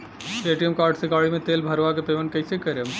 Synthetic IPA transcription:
eːʈijəmkaːɾɖseɡaːɭimẽt̪eːlbʱəɾʋakepeʋənkəɪsekəɾem

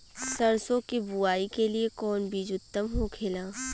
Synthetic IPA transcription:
sɐɾsõkibuaːikeliekɔːnbʱid͡ʒʊt̪ːəmɦokʰeːlaː

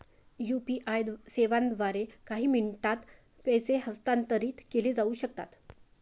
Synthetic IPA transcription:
jupiʔajd̪seʋand̪ʋaɾekaɦiːmiɳʈat̪ | pɛjseɦəst̪ant̪əɾiːt̪keled͡zauːɕəkt̪a̰t̪

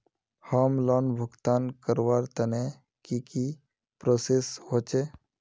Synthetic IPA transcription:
hɔːmlɔːnbʱʊɡt̪aːnkəɾwaːɾt̪əne | kiki | pɾoːsesɦot͡ʃe

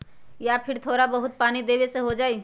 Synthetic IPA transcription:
japʰɪɾt̪ʰoːɾabɐɦʊt̪̚paːnid̪eːweseɦod͡ʒaːiː

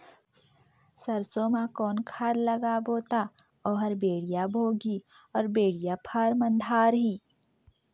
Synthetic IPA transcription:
sɐɾsoːmãkɔːnkʰaːd̪lɐɡaboːt̪a | ɔːɦɐɾbeːɽijabʱoːɡi | ɔːɾbeːɽijapʰaːɾmɐ̃nd̪ʱaːɾɦiː

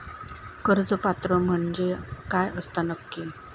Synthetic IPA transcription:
kəɾd͡zəpat̪ɾəm̤əɳd͡ʑekajəst̪anəkːi

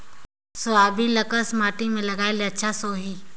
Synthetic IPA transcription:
sʊaːbĩlɐkəsmaːʈimẽlɐɡaːeleɐtːʃʰasoːɦiː

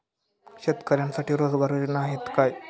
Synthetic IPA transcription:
ɕet̪kəɾjansaʈʰiːɾod͡zbaɾonaɦet̪kaj

